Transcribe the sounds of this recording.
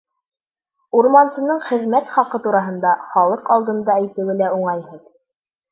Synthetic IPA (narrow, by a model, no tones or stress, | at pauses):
uɾmɑnsɤ̆nɤɴχɘ̆ðmæt̪χɑqɤt̪uɾɑɦɤ̆nd̪ɑχɑlˠɤqɑlˠd̪ɤ̆nd̪ɑæjt̪ɘ̆wɘ̆læuɴɑjɦɤð